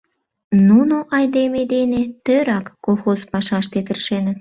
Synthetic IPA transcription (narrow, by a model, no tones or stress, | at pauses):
nunoʔɑjd̪emed̪enet̪øɾɑkːolˠxozpɑʃɑʃt̪et̪ərʃenə̆t̪̚